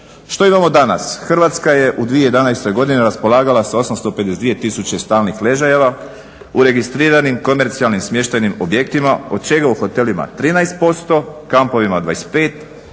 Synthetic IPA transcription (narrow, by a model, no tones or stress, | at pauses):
ʃt̪o̞imamo̞d̪ana̰sxr̩ʋat̪skaje̞ʔud̪ʋie̞jed̪anajst̪o̞jɡo̞d̪ineɾaspo̞lˠaːɡalasao̞samst̪o̞pe̞d̪esed̪ʋie̞t̪isut͡ɕe̞st̪aːlnixle̞ʒajeʋa | uɾe̞ɡist̪ɾiːɾanimko̞me̞ɾt̪sialnimsmje̞ʃt̪ajnimo̞bje̞kt̪imao̞d̪̚t͡ʃe̞ɡauxo̞t̪e̞lima̰t̪ɾiːnajst̪̚po̞st̪o̞kampo̞ʋimad̪ʋa̰espe̞ːt̪